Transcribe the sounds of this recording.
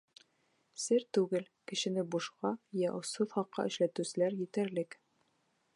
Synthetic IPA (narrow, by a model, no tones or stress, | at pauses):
sɘɾt̪ʉɡɘlkɘ̆ʃɘ̆nɘbuʃqɑjæʔŏsɤðχɑqːɑ̰ʔɘ̆ʃlæt̪ʉsɘ̆læɾjɘ̆t̪æɾlɘk